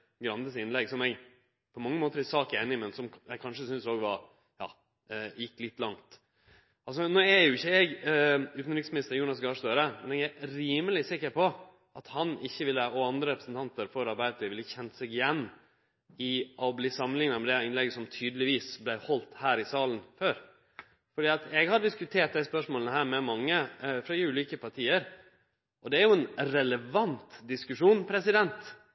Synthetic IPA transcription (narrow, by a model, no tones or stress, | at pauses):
ɡɾɑnd̪əsɪnlɛɡsɔmɛɡ | pʰɔmɑŋːəmoːt̪əɾɛsɑːkeːnɪmɛnsɔmjæɡkʰɑnʂəsʏnsoːɡʋɑɾ | jɑ̰ː | jɪkːlɪt̪ːlɑŋt̪ | ɑls̬ɔnoːɛjʊɪçːəɛɡʉːt̪n̩ɾɪksmɪnɪst̪əɾjuːnɑsɡɑːʂd̪øːɾəmɛnɛɡæɾɾiːməlɪsɪkːəɾpʰɔ | ʔɑt̪hɑnɪçːəʋɪlːəɔɑnd̪ɾəɾɛpɾəsn̩t̪ʰɑnt̪əɾfɔɾɑɾbæɪt̪ɪʋɪlːəçɛnt̪sɛɡɪjɛnː | ɪʔɔbliːsɑmənɪŋnɑmɛd̪ɛɪnlɛɡəsɔmt̪ʰyːd̪əlɪʋiːsblæɪhɔlt̪hæːɾɪsɑːlən̩føːɾ | fɔɖiːɑt̪ʰɛɡhɑɖɪskʉt̪ʰeːʈ̚d̪æɪspœʂmoːlənəhæːɾmɛmɑŋːəfɾɑd̪ɪʉːliːkəpʰɑɾʈʰiːəɾ | ʔɔd̪ɛæɾjʊɛnɾɛləʋɑnt̪d̪ɪskʉʂuːnpʰɾɛsɪd̪ɛnt̪